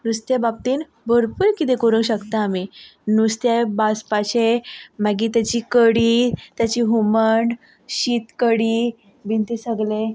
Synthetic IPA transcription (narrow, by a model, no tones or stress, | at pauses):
nust̪jabab̚t̪iːn | bʱəɾpuːɾkit̪ẽkoɾũŋkɕəkt̪aːminust̪jabaspaɕemaɡiːt̪jat͡ɕiːkəɽiːt̪jat͡ɕiːɦuməɳɖ | ɕit̪kəɽi | bint̪esəɡle